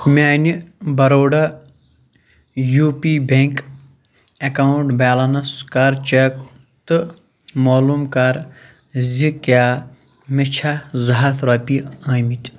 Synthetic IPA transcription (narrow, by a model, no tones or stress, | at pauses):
mʲaːnibɐɾoːɖɐ | juːpibeŋk | ekauɳʈbaːlɐnɐskaɾt͡ʃek | t̪ɨ | moːlumkaɾ | zikaː | met͡ʃʰazɐɦat̪ɾɐːpiaːmit̪ʲ